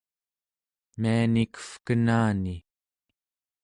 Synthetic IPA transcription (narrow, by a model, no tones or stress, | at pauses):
mianikə̥fkənaːni